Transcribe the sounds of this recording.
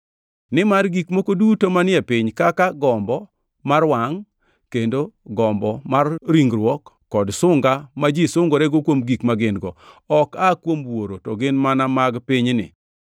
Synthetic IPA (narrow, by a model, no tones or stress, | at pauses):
nɪmarɡikmokodutomanɪɛpɪɲkakaɡɔmbɔ | marwaŋ | kendoɡɔmbɔmarɾiŋɡɾwɔkːɔdsʊŋɡamad͡ʒisʊŋɡoɾɛɡokwomɡikmaɡɪnɡɔɔkakwomwoɾotɔɡɪnmanamaɡpɪɲnɪ̰